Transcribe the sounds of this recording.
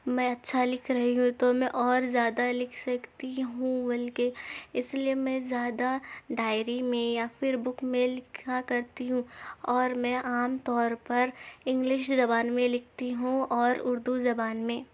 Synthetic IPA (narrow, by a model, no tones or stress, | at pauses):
mɛ̃ɐtːʃʰalɪkʰɾɐɦiɦũt̪omɛ̃ʔɔːɾzjaːd̪alɪkʰsɐkt̪iɦũbɐlkeɪsliemɛ̃zjaːd̪aɖaːɪɾimẽjafɪɾbʊkmẽlɪkʰakɐɾt̪iɦũːɔːɾmɛ̃ʔaːmt̪ɔːɾpɐɾɪ̃ŋɡlɪʃzɐbaːnmẽlɪk̚ʰt̪iɦũɔːɾʊɾd̪uzɐbaːnmẽː